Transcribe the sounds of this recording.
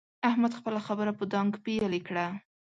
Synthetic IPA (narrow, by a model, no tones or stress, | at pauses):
ahmad̪xpəlaxabəɾapəd̪ɑŋɡpejalikɽa